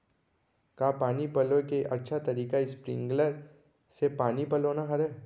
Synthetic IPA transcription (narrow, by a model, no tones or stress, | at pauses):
kaːpaːnipɐlõkeʔɐtːʃʰat̪ɐɾiːkaispɾɪ̰̃ŋɡləɾ | sepaːnipɐloːnaɦɐɾɛ